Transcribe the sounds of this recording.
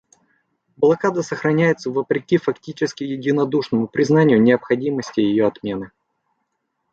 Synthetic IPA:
blˠɐkad̪əsəxɾɐnʲæjɪt̪səvəpɾʲɪkʲifɐktʲit͡ɕɪskʲɪjɪdʲɪnɐd̪uʂnəmʊpɾʲɪznanʲɪjʊnʲɪəpxɐdʲiməsʲtʲɪjɪjoɐt̪mʲe̞nɨ

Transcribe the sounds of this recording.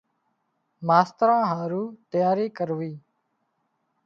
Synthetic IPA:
maːst̪ɾãːɦaːɾuːt̪əjaːɾiːkəɾʋiː

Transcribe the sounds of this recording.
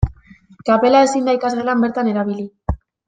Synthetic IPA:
kape̞lae̞sind̪ajk̪aselambe̞ɾt̪ane̞ɾaβ̞ili

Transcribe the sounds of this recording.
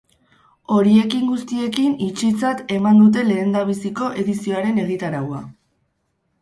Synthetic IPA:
o̞ɾie̞kiŋɡust̪ie̞kinit͡ʃit͡sat̪e̞mand̪ut̪̬e̞le̞ːnd̪aβ̞isiko̞ʔe̞ðisio̞aɾe̞ne̞ɣ̞it̪aɾawa̰

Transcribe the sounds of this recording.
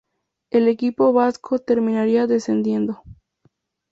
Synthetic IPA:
e̞le̞kipo̞βaskʰot̪e̞ɾmĩnaɾiaðe̞send̪je̞nd̪o̞

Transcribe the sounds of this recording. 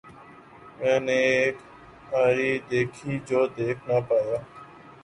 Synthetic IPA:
mɛ̃ːnẽeːk | aːɾiːd̪eːkʰiːd͡ʒoːd̪eːkʰnaːpaːjaː

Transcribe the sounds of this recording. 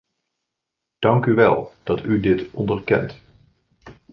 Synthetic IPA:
d̥ɑŋkyʋɛ̰lˠd̥ɑtydɪtɔndərkɛ̰nt

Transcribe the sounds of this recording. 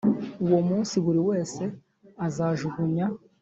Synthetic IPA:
uwomuːnsiβuɾiwe̞ːse̞ | azaʒuɡuɲa

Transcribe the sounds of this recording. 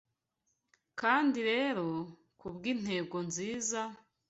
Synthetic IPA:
kaːndiɾe̞ːɾo̞ | kubɡiːn̥he̞ːɡo̞nziːza

